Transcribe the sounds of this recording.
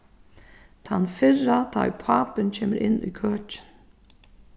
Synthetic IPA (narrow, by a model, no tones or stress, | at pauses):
t̪ʰanfɪrat̪ʰa̰jpʰaːpɪncʰeːməɾʔɪnːy̰ːkʰœːt͡ʃɪ̥n